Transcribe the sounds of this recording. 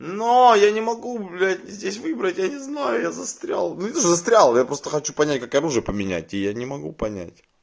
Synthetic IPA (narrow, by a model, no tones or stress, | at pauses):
nojanʲɪmɐɡulʲætʲzʲdʲesʲvɨbɾətʲjanʲɪznajʊjazɐst̪ɾʲa̰lˠnunʲɪt̪oʂzɐst̪ɾʲalˠjapɾo̞st̪əxɐt͡ɕupɐnʲæt̚ʲkakɐɾuʐɨjəpəmʲɪnʲæ̰t̚ʲɪjanʲɪmɐɡṵpɐnʲæ̰tʲ